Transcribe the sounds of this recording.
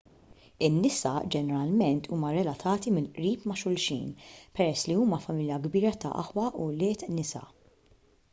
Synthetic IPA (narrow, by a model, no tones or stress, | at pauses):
ɪnːɪsɐd͡ʒɛnɛɾɐlmɛnt̪ʰuːmɐɾɛlɐt̪ʰɐːt̪imɪnʔɾiːpmɐʃʊlʃḭːnpɛɾɛsːliuːmɐfɐmɪljɐɡbiːɾɐt̪ɐ̰ʔɐ̰ħwɐʔulɪːt̪nɪsɐ̰